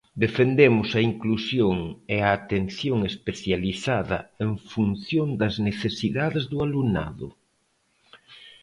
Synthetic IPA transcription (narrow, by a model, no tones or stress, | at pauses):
d̪efend̪emʊsɐiŋklusjoŋeaːt̪enθjoŋespeθjaliθaðɐ̰eɱfunθjond̪ɐzneθesiðaðezðualuna̰ðʊ̰